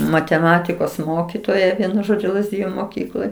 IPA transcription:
mɐtʲɛˈmɑːtʲɪkoːs ˈmoːkʲɪtoːjɛ ˈʋʲiɛnʊ ˈʒoːd͡ʒʲʊ lˠɐzʲˈdʲɪjʊ moːˈkʲiːklˠoːj

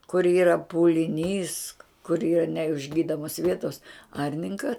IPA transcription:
kʊr ˈiːrɐ pʊlʲɪˈnʲiːs kʊr ˈiːrɐ nʲɛɪʒʲˈɡʲiːdoːmoːs ˈʋʲiɛtoːs ˈɐrʲnʲɪŋkɐ

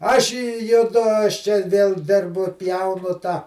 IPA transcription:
ˈɐʃ ɪ jʊˈdʊ ɐʃ t͡ʃʲɛ ʋʲeːlˠ ˈdʲɪrbʊ ˈpʲjɛʊnʊ tɑː

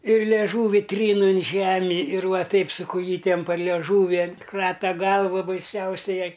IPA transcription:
ɪr lʲeːˈʒuːʋʲɪ ˈtʲrʲiːn ɪn ˈʒʲæːmʲɪ ɪr ˈʋɐ ˈtɐɪp sʊ kʊˈjiːtʲɛm pɐr lʲiɛˈʒuːʋʲɪ ˈkrɑːtɐ ˈɡɐlˠʋɐ bɐɪˈsʲɛʊsʲɛɪ ˈjɛɪ

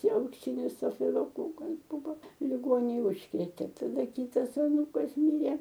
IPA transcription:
ɐʊkˈsʲɪnʲɪs sɐfʲɪlˠoːˈkoːkɐs ˈbʊʋɐ lʲɪˈɡoːnʲeːj ˈʊʃkrʲeːtʲeː dɐˈdɐ ˈkʲiːtɐs ɐˈnuːkɐs ˈmʲiːrʲeː

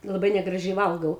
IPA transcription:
lˠɐˈbɐɪ nʲɛɡrɐˈʒʲɛɪ ˈʋɐlˠɡɐʊ

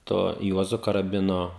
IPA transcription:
ˈtoː ˈjuɔzʊ kɐrɐˈbʲɪnoː

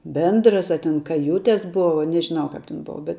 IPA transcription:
ˈbʲɛndrɐs ɐ tʲɛn ˈkɑːjʊtʲɛs ˈbʊʋɐ nʲɛʒʲɪˈnɐʊ ˈkɐp tʲɛn ˈboːʋɐ bʲɛt

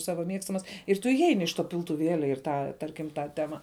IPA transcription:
ˈsɑːʋɐ ˈmʲiɛkstɐmɐs ɪr ˈtʊ ɪˈɛɪnʲɪ ɪʃ toː pʲɪlˠtʊˈʋʲeːlʲɛ ɪr ˈtɑː ˈtɐrʲkʲɪm ˈtɑː ˈtʲæːmɐ

